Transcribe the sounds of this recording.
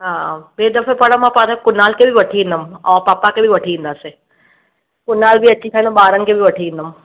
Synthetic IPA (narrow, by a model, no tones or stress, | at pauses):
ɦãbeːd̪ɐfepɐɽəmãpat̪ʰakʊnaːlkʰebʱiʋɐʈʰiĩːnd̪əmaːpaːpakebʱiʋɐʈʰiʋĩːnd̪aːsẽ | kʊnaːlbʱiɐt͡ɕːikʰaĩnd̪baːɾənɪ̆kʰebʱiʋɐʈʰiĩːnd̪əm